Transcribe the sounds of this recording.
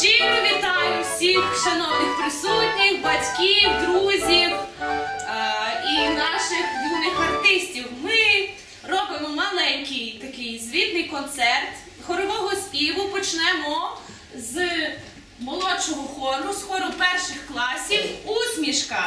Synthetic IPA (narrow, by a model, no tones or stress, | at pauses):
t͡ʃiɾeʋʲit̪ɑjʊwsʲixʃɐnɔwnɪxpɾɪsutʲnʲɪkbɐtʲkiwd̪ɾuzʲiw | inɑʃɪxʋʲinɪxɐrt̪ɪsʲtʲiwmɪ | rɔbɪmɔmɐlˠɛnʲkɪjt̪ɐkɪjzʋʲit̪nɪjkɔnt̪sɛrt̪ | xɔɾɔʋɔɦɔspʲiʋʊpɔt͡ʃnɛmɔ | z | mɔlˠɔt͡ʃɔɦɔxɔɾʊsxɔɾʊpɛrʃɪxklˠɑsʲiwuzmʲiʃkɐ